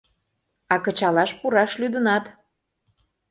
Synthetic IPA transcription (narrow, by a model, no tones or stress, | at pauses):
ɑkə̆t͡ɕɑlɑʃpuɾɑʃlyd̪ənɑt̪